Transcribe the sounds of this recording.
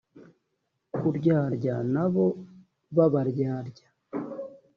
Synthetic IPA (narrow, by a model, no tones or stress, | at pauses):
kuɾɟaːɾɟanaβo̞ | βaβaɾɟaːɾɟa